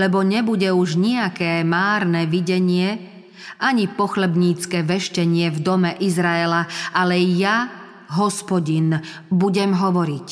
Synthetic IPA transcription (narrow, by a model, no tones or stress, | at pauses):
lɛbɔɲɛbuɟɛuʒɲiakɛːmaːɾnɛʋiɟɛɲɪɛ | ʔaɲipɔxlɛbɲiːt͡skɛːʋɛʃcɛɲɪɛvd̪ɔmɛʔizɾaɛlaʔalɛja | ɦɔspɔɟin | buɟɛmɦɔʋɔɾic